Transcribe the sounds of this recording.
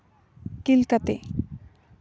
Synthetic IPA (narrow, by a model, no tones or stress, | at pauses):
kilkat̪ḛ